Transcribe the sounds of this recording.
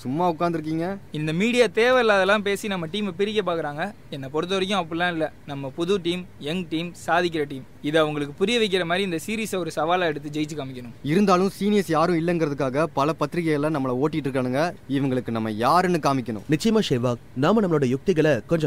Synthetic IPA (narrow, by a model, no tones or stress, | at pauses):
sʊmːaːʊkːaːnd̪ɪɾɯkːiːŋɡɐɪnd̪ɐmiːɽɪjaːt̪eːʋɐlaːðɛlːãːmpeːsinɐmːɐʈiːmɛpɪɾɪk̬ːep̬aːkɪɾaːŋɡɐ | ɛnːɐpɔɾɯt̪ːɐʋɐɾɪk̬ːʊ̃ɐpːɯɭlãːɪlːɐnɐmːɐpʊðuʈiːmɛŋʈiːmsaːðɪk̬ːɪɾɐʈiːm | ɪðɯɐʋɐŋɡɐɭɯkːɯpʊɾɪjɐʋɐɪk̬ːɪɾɐmaːd̪ɾiɪnd̪ɐsiːɾiːsɐɔɾɯsɐʋaːlaːɛɽɯt̪ːɯd͡ʒɛjɪt͡ʃːɯkaːmɪkʲːɐnʊ̃mɪɾɯnd̪aːlɯ̃msiːnɪjɐsjaːɾɯ̃ɪlːɐɛŋɡɪɾɐðɯkːaːɣɐpɐlɐpɐt̪ːɪɾɪɣɐjɐlːãːnɐmːɐɭɐoːʈːɪkɪʈːɪɾɯkːaːɳɯŋɡɐɪʋɐŋɡɐɭɯkːɯnɐmːɐ̰jaːɾɛnːɯkaːmɪkʲːɐɳʊ̰̃nɪt͡ʃːɐjɐmaːʂɛːʋaːknaːmɐnɐmɐɭoːɽɐjʊk̚t̪ɪɣɐɭɐkɔɲd͡ʒɔ